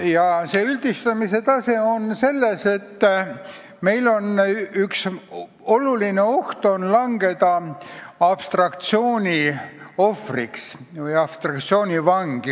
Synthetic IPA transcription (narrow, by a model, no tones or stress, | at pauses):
jɑse̞ːyld̪̥ist̪ɑmise̞t̪ɑse̞onse̞lːese̞t̪ː | me̞jlo̞nyks | o̞luline̞o̞ht̪o̞nlɑŋɡ̥e̞d̪ɑ | ɑpst̪rɑkt̪sioːnʲio̞friksvɤjɑpst̪rɑk̚t̪sio̞ːnʲivɑŋɡ̥i